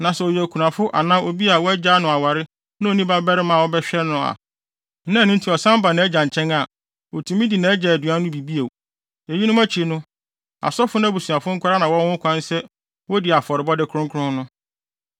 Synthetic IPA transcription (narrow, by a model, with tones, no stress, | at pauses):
nã˨sɛ˨ɔ˨jkʰu˨nã˨fʊ˦ʔa̰˨nã˦o˨bi˦a˨wɔ˦ɛ˦d͡ʑa˦nʊ̃˨a˨wa˨ɾɪ˦ | nã˦o˨nĩ˦ba˦bɛ˦ɾɪ˦mã˨wɔ˦bɛ˦ɕᶣɛ˦nʊ̃˨a̰˨˦ | nã˦˨nʊ̃˦n˦tʰi˨ɔ˨sã˦m˦ba˨nã˨˦ɛ˦d͡ʑã˨ɲ˨t͡ɕʰɛ̃˦ŋa˨ | o˨tʰũ˨mĩ˦di˨nã˨˦ɛ˦d͡ʑɛ˨æ˨du˨a˦nʊ̃˦bi˨bi˦e˨ | e˨ji˦nʊ̃˦mæ˦t͡ɕʰi˨˦nʊ̃˦ | a̰˨sɔ˦fʊ˦nã˦bu˨su˨a˨fʊ˦ŋ̩˦kʷʰʊ˦ɾa˦nã˨wɔ˦wʊ̃˦kʷʰã˦n˦sɛ˦ | wɔ˦dɪ˨a˨fɔ˨ɾɪ˨bɔ˦dɪ˦kʰɾʊ̃˦ŋkʰʊ˦ɾʊ̃˦nʊ̃˦